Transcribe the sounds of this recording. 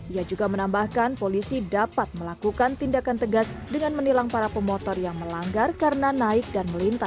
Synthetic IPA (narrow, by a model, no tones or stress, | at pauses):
ʔiad͡ʒuɡamənambahkanpolisidapat̪̚məlakukant̪indakant̪əɡasdəŋanmənilaŋpaɾapəmɔt̪ɔrjaŋməlaŋɡarkarənanaɪk̚danməlint̪as